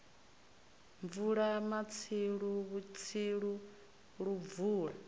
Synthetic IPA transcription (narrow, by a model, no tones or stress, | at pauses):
ɱvuɺamat͡sʰiɺuβut͡sʰiɺu | ɺuvuːɺa